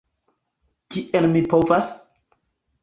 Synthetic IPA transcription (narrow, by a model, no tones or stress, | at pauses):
kiʔelmipo̞vas